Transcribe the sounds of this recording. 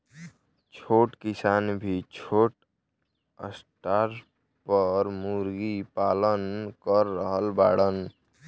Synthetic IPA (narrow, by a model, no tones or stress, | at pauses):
t͡ʃʰoːʈkɪsaːnbʱit͡ʃʰoːʈ | ə̰sʈaːɾ | pəɾmuɾɡipaːlənkəɾːəɦəlbaːɽən